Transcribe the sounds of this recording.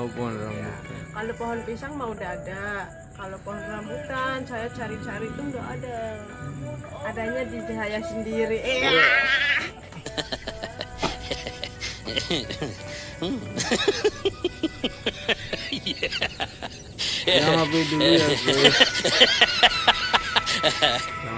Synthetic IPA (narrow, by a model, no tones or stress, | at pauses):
pɔnɾa̰kalopɔɦɔnpisaŋmaudaːda | kalopoɦɔnrambut̪ant͡ʃajat͡ʃaɾit͡ʃaɾit̪ʊndaʔada | adaɲadid͡ʒaɦajahsəndiɾiʔe | m̩ | ja | abidu